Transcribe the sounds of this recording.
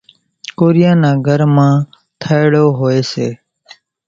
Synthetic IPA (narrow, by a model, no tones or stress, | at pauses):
koːɾijãːnãːɡʱəɾmãː | t̪ʰəɪɽoːɦoːeːsḛː